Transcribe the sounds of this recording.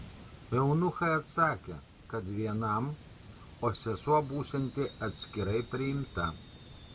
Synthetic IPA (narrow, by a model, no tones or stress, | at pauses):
jɛʊnʊxɐɪɐt̪sɑːkʲe | kɐt̪ʋʲiɛnɐm | oːsʲɛsuɔbuːsʲɛnʲt̪ʲɪɐt̪ʲsʲkʲɪɾɐɪpʲɾʲɪjɪmt̪ɐ